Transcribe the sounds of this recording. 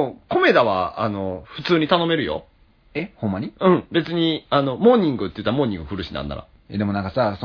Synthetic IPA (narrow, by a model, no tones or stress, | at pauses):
ko̞me̞d̪aβa̰anoɸɯ̟t͡sɨːɲ̟it̪ano̞me̞ɾɯ̟jo̞̰ | ehõmːaɲ̟iɯ̟̃ɴbe̞t͡sɨɲ̟iano̞mo̞ːɲ̟ĩŋɡɯ̟t̪ːeiɯ̟t̪ːamo̞ːɲ̟ːĩŋɡɯ̟ɸɯ̟ɾɯ̟ɕinã̰nːa̰ɾa̰ | ad̪e̞mo̞nãŋkasaso